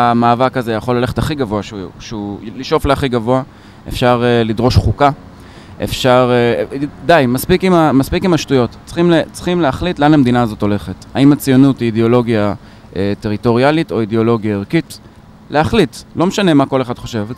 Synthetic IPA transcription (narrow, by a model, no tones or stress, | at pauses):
amaːvakazejaχo̞lːale̞χe̞taχiɡavoaʃʃeuliʃo̞fleaχiɡavoa | ʔefʃaʁelidʁo̞ʃχuka | ʔḛfʃaʁedajmaspikimamaspikimaʃtujo̞tt͡sχimlet͡sχimleaχlitleanhamed̪inaːzo̞to̞le̞χetaimat͡sijo̞nutideo̞lo̞ɡja | ʔete̞ʁito̞ʁialito̞ideo̞lo̞ɡjaeʁkit | leaχlitlo̞meʃane̞mako̞leχad̪χo̞ʃev